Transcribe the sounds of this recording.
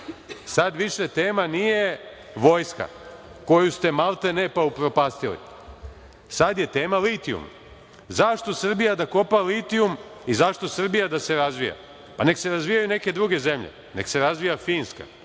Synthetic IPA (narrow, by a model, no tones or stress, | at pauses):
sad̪ʋiʃet̪e̞ːmanije̞ | ʋo̞jska̰ | ko̞just̪e̞malˠt̪ene̞paupɾo̞paːst̪ilḭ | sad̪je̞t̪e̞ːmalit̪iṵm | zaʃt̪o̞sr̩bijad̪ako̞palit̪iumizaʃt̪o̞sr̩bijad̪ase̞ɾazʋija̰ | pane̞kse̞ɾazʋijajune̞ke̞d̪ɾuɡe̞ze̞mʎḛ | ne̞̰kse̞ɾazʋijafiːnska̰